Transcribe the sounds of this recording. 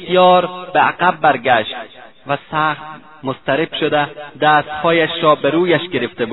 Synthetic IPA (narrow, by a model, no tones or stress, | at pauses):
t̪ijɒːɾbeæɡæbːæɾɡæʃt̪ | væsæːχt̪ | most̪æɾebʃod̪ed̪æːst̪hɒːjæʃɾɒːbeɾuːjæʃɡe̞ɾeft̪ebuː